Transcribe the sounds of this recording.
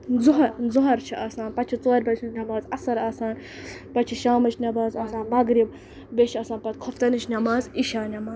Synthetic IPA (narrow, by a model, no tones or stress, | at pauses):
zuɦɐzuɦɐɾt͡ʃʰiʔasaːnpɐt͡ʃʰit͡soːɾʲbɐt͡ʃʰinʲɐbaːzɐsɐɾaːsaːn | pɐt͡ʃʰiʃaːmɐt͡ʃʰnʲɐbaːzɐːsaːnmɐɡɾib | bet͡ʃʰiɐsãːnpɐt̪kʰoft̪ɐnɨt͡ʃʰnʲɐmaːziʃaːnʲɐmaːz